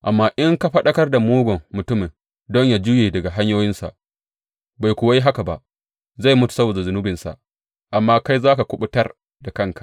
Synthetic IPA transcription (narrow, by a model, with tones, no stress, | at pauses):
ʔa˨mːaː˦ʔɪ˦ŋka˦ɸɐ˦ɗɐ˦kɐ˦rda˨moː˦ɡʷɔ˨ŋːʊ˨tʊ˦mɪ˨n | dɔ˦ɲja˨d͡ʒuː˦jeː˨dɐ˨ɡa˨ɦa˦ɲjoː˦jɪ˦nsa̰˨ʔ | ba˨jkʷʊ˨wa˦ji˦ɦa˦ka˨ba̰˨ʔ | za˦˨jmʊ˦tu̥˨sɐ˦boː˨da˨zʊ˨nʊ˦bɪ˨nsa̰˨ | ʔa˨mːaː˦ka˦jzaː˦ka˨kʷʊ˦ɓʊ˦tɐ˦r | da˨kɐ˦˨ŋkḁ˨ʔ